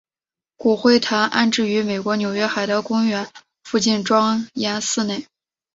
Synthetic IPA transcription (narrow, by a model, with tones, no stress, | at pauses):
ku˨˩xwe˥˩ɪt̪ʰa˧˥nʔa̰˥˧nʈ͡ʂɻ̩˥˩y˧˥me˨˩ɪkwɔ˧˥njo˨˩ʊɥɛ˥xa˨˩ɪd̪ə˦kʊ˥ŋɥɛ˧˥n | fu˥˧t͡ɕi˥˩nʈ͡ʂwɑ˥ŋja˥nsɹ̩˥˧ne˥˩ɪ